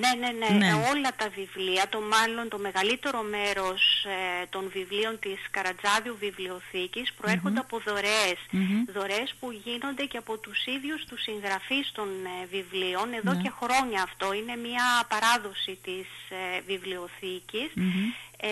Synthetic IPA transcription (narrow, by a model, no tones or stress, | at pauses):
ne̞ne̞neieo̞lɐt̪ɐvivliɐt̪o̞mɐlo̞nt̪o̞me̞ɣɐlit̪e̞ɾo̞me̞ɾo̞st̪o̞nvivlio̞nt̪iskɐɾɐd͡zɐðiuvivlio̞θicispɾo̞e̞ɾxo̞nd̪e̞ɐpo̞ðo̞ɾesðo̞ɾe̞spuʝino̞nd̪e̞ceɐpo̞t̪usiðʝust̪usiŋɣɾɐfist̪o̞nvivlio̞ne̞ðo̞ce̞xɾo̞ɲɐːft̪o̞ine̞mɲɐpɐɾɐðo̞sit̪isvivlio̞θicis